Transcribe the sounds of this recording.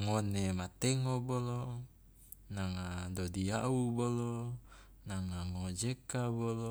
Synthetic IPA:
ŋonemat̪eŋobolo | naŋadodiaubolo | naŋaŋod͡ʒekabolo

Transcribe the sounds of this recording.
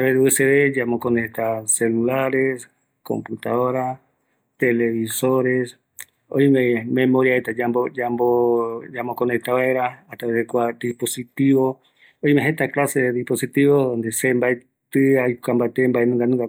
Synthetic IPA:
aβeðuɨseβed͡ʒamokonet̪aselulaɾes | ko̰mput̪a̰ðoɾa | t̪eleβisoɾes | o̰jmẽmẽmoɾiaet̪ad͡ʒamboambod͡ʒamokonet̪aβaeɾaːt̪aβeekʷad̪iposit̪iβo | ojmẽɦet̪aklaseðeðiposit̪iβoðond̪esembae | t̪ɨajkambat̪embaenũŋɡanũŋɡa

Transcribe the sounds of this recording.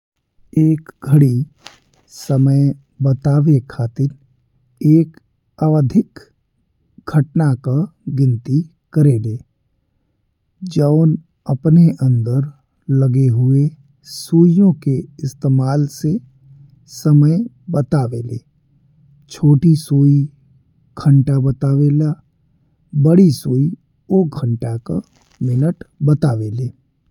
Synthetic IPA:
eːkɡʱəɽi | səməj | bət̪aːʋekʰaːt̪ɪɾ | eːk | əʋəd̪ʱɪk | ɡʱəʈnakaɡɪ̃nt̪i | kəɾeːleː | d͡ʒəʊn | əpneʔə̃nd̪əɾ | ləɡeɦʊe | suːijõkeɪst̪eːmaːlse | səməj | bət̪aːʋḛːlḛː | t͡ʃʰoːʈisoːi | ɡʰə̃ɳʈabət̪aːʋeːlaː | bəɽisoːi | oɡʱəɳʈaka | mɪnəʈbət̪aːʋeːleː

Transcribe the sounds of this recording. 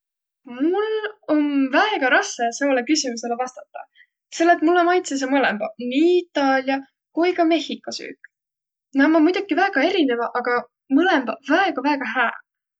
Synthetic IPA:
mulo̞nvæeɡ̥ɑɾɑseseolekysimuse̞levɑst̪ɑt̪ˑːɑ̰ | se̞lːet̪mulːomɑjt̪ses̬ɑmɤlembɑniːit̪ːˑɑːlʲjɑ | kujkɑme̞hikːˑɑsy̰ːk | nɑmɑmujd̪̥okivæːɡ̥ɑe̞ɾine̞vɑʔɑɡ̥ɑ | mɤle̞mb̥ɑvæeɡ̥ɑvæeɡ̥ɑɦæː

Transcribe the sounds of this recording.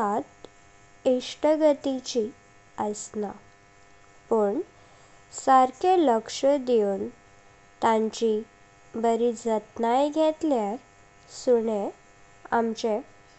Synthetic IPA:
at̪ | iʂʈəɡət̪it͡ɕi | əsna | pəɳ | səɾkʰeləkʂəd̪eun | t̪ãɲt͡ɕi | bəɾid͡zət̪najɡʱet̪ljaɾ | suɽe | a̰mt͡ɕe

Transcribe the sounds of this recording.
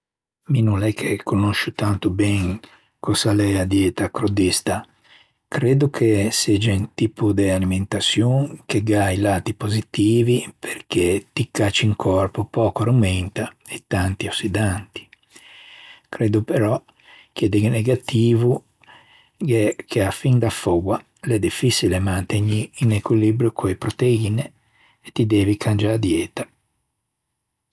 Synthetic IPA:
minunɛkʰːekʰonoʃut̪ant̪ubɛŋ | kɔsalɛad̪jɛt̪akɾod̪ist̪a | kɾed̪ukʰesɛd͡ʒaunt̪iːpud̪ealiment̪asjuŋkeɡajlaːt̪ipozit̪iːvipʰerk̟et̪ikːat͡ʃiŋkʰɔrpopɔːkoɾumɛnt̪aet̪ːant̪iosid̪ant̪i̥ | kɾeːd̪upeɾɔ | kɛd̪ɛɡneɡat̪iːvu | ɡɛkʰeafind̪afoɡwa | lɛd̪ifisilemant̪eɲiːnekwilibɾjukʰoepɾot̪eiːneː | t̪ːid̪ɛːvikʰand͡ʒaɾd̪jɛːt̪a

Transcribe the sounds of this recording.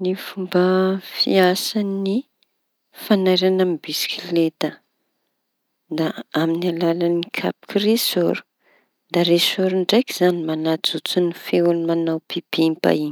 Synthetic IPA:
nifumbəfḭasani | fanajɾanamibisi̥kilet̪ə | d̪aaminalalanikʰa̰pi̥kiresoɾu̥ | d̪aɾesoɾuɳɖ͡ʐajkiz̥animanad͡zut͡sunifeunimanawpib̥impa̰iɲ

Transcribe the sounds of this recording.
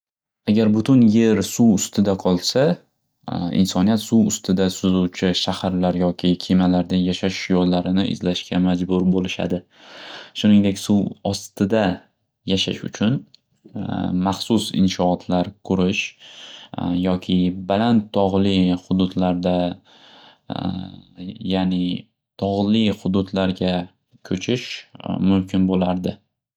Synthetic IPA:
aɡʲaɾbʊt̪ʰʊnje̞ɾsuwʊst̪ɪd̪aqʰɒlˠsa | ɪ̰nsɒnijat̪suwʊst̪ɪd̪asʊzuwt͡ʃʰɪʃahaɾlaɾjɒkʲʰɪkʲʰimalaɾd̪ajaʃaʃjɒlːaɾɪnɪʔɪ̰zlaʃkʲʰamad͡ʒbʊɾbolɪʃa̰d̪ɪ | ʃʊnɪŋd̪e̞kʲsuwɒst̪ɪd̪a | jaʃaʃʊ̰t͡ʃʰʊn | maχsʊsɪ̰nʃɒːt̪ʰlaɾkʰʊɾɪʃ | jɒkʲʰɪbalant̪ʰːɒʁlɪχʊd̪ʊd̪laɾd̪a | jaːnɪ | t̪ʰɒʁlɪχʊd̪ʊt̪laɾɡʲa | kʰɵt͡ʃʰɪʃmʊmkʲɪnbolaɾd̪ɪ

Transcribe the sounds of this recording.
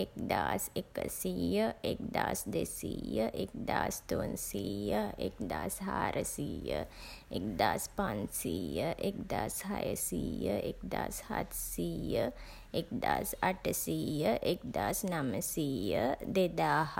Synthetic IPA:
ek̚d̪aːsekəsiːjəek̚d̪aːsd̪esiːjəʔek̚d̪aːst̪oːnsiːjəekd̪aːsɦaːɾʔəsiːjəekd̪aːspansiːjəʔek̚d̪aːshɐjəsiːjəekd̪aːshɐ̰t̪ʰsiːjə | ek̚d̪aːsɐʈəsiːjəʔek̚d̪aːsnɐməsiːjəd̪ed̪aːɦ

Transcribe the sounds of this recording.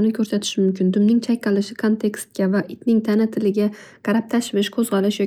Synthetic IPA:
nɪkʲʰɵɾsat̪ʰɪ̥ʃɪmʊmkʲɪnd̪ʊmnɪŋt͡ʃʰajqɑlɪʃɪkʰont̪ʰe̞kst̪̚kʲavaʔɪt̪nɪŋt̪ʰanat̪ʰɪlɪɡʲa | qʰɑɾap̚t̪ʰaʃvɪʃkʰɵzʁɒlɪʃjɒ

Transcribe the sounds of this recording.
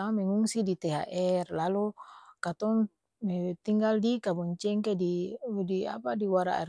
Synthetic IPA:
amɛŋuŋsidit̪ɛɦa̰ʔɛrlalukat̪ɔŋ | mɛt̪iŋɡaldikabɔɲt͡ʃɛŋkedidia̰padiwaɾa̰ʔɛ̰r

